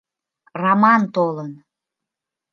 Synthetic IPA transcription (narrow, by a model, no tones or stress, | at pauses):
rɑmɑnt̪olən